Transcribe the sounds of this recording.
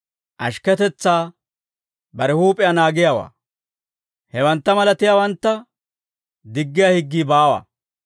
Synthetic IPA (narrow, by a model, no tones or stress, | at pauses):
ʔɐ̰ʃkɛt̪ɛt͡sːaː | bɐɾɛhuːpʼɪjɐnaːɡɪjaːwa̰ː | hɛwɐnt̪ːɐmɐlɐt̪ɪjawɐnt̪ːɐ | d̪ɪɡːɪjahɪɡːiːbaːwa̰ː